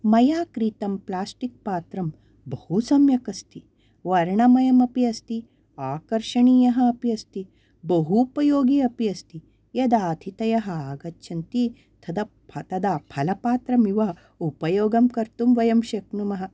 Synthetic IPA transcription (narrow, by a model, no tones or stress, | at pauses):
mɐjaːkɾit̪ɐmplaːsʈik̚paːt̪ɾɐm | bɐhusɐmjɐkɐst̪i | ʋɐɾɳɐmɐjɐmɐpiɐst̪i | aːkɐɾʃɐɳiːjɐɦɐ̆ɐpijɐst̪i | bɐɦuːpɐjoːɡiɐpijɐst̪i | jɐd̪aːt̪ʰit̪ɐjɐɦɐ̆aːɡɐtːʃʰɐnt̪i | t̪ʰɐd̪ɐpʰɐt̪ɐd̪aːpʰɐlɐpaːt̪ɾɐmiʋaː | upɐjoːɡɐmkɐɾt̪umʋɐjɐmʃɐknumɐɦɐ̆